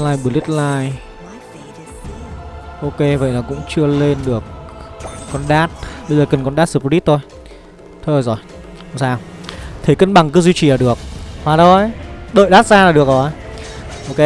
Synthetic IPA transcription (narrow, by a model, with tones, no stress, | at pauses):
laː˧jɓɨ˨˩əli˦˥t̚laː˧j | ʔo˧ke˧və̰˧˨jnɔ˨˦kʊ̰˧˥ŋ͡mt͡ɕɨ˧əle˧nɗɨ˨˩ək̚ː | ɔ˧nɗaː˦˥t̚ɓə˧jzəː˨˩kə˨˩nkɔ˧nɗaː˦˥sɨ˨˧˩p̚li˦˥t̚t̪ʰo˧j | t̪ʰːjzɔ˨˩j | saː˧wt̪ʰe˨˦kə˧nɓa˨˩ŋkɨ˨˦zwi˧t͡ɕi˨laː˨˩ɗɨ˨˩ək̚faː˨˩ɗo˧ɗə̰ː˧˨jɗaː˦˥t̚zaː˧laː˨˩ɗɨ˨˩ək̚ɔ˨˩ | ʔo˧ke˧